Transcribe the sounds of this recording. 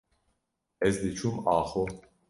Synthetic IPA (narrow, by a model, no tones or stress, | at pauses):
ɛzd̪it͡ʃʰumaːχo